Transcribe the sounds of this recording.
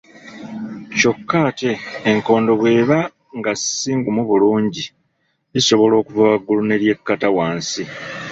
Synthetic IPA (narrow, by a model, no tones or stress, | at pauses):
co̞kːaːte̞ːŋko̞ːndo̞βwe̞ːβa | ŋɡasiːŋɡumuβuluːɲɟi | liso̞βo̞lo̞ːkuvawaɡːulune̞ɾje̞kːatawaːnsi